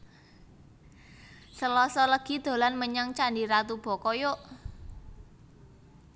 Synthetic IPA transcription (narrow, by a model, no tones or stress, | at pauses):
səlɔsɔləɡ̥i̤d̪̥o̤lanməɲaŋt͡ʃandiɾat̪ub̥ɔ̤kɔjoʔ